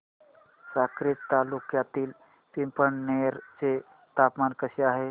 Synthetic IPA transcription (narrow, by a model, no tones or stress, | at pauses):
sakɾɪtt̪ːalukjat̪iːl | pimpəɳneɾt͡ʃe | t̪apmaːnkəsiaːɦe